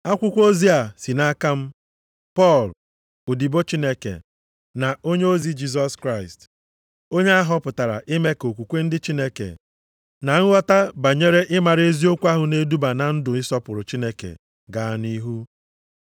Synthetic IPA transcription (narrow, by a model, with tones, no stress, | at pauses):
a˦kʷʊ˦kʷo˦zi˦a˨si˨na˦ka˦m̩˦ | pɔ˦˨l | ʊ˨di˨bo˦t͡ʃi˦ne˦kḛ˨ | na˨o˦ɲe˦o˦zi˦d͡ʒi˦s̬ɔ˨skɾa˦˨ɪ˨st | o˦ɲe˦a˦ɦɔ˦pʊ˨ta˨ɾa̰˨ʔɪ˦me˦ko˨kʷu˨kʷe˦n̩˦dɪ˦t͡ʃi˦ne˦kḛ˨ | na˨ŋ̩˦wʷɔ˦ta˦ba˨ɲe˦ɾe˦ʔɪ˦ma˨ɾe˦zi˦o˦kʷa˦ɦʊ˨ne˦du˦ba˨na˨n̩˦dʊ˨ɪ˦sɔ˦pʊ˨ɾʊ˨t͡ʃi˦ne˦kḛ˨ | ɡa˨a˨ni˦ɦu˦